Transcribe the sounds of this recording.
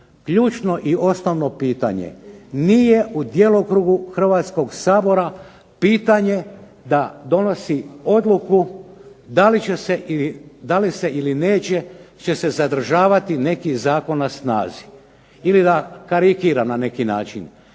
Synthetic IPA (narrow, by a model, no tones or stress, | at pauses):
kʎuːt͡ʃno̞ʔio̞snoʋno̞piːt̪a̰ɲḛnije̞ʔud̪jeːlˠokɾuːɡuxr̩ʋat̪sko̞ɡsaːbo̞ɾa | piːt̪aɲe̞ | d̪ad̪o̞no̞sio̞d̪luku | d̪alieseiid̪alise̞ʔiline̞ːt͡ɕe̞t͡ʃe̞se̞zad̪r̩ʒaːʋat̪ine̞kizaːko̞nːasna̰ːzi | ilid̪akaɾikiɾamnane̞kina̰ːt͡ʃin